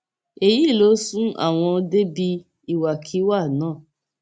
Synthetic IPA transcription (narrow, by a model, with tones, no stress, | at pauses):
e˨ji˦˨lo˨˦sũ˦a̰˦˨w̃ɔ̃˧o˧de˦bi˧ | i˦wa˨kʰi˨˦wa˦˨nãː˦˨